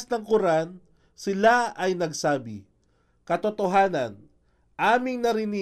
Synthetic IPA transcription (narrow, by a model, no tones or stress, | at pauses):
snɐŋkʊɾan | sɪlaɐjnɐɡsaːbɪ̰ | kɐt̪ot̪oɦaːnɐ̰n | ʔaːmɪŋnɐɾɪni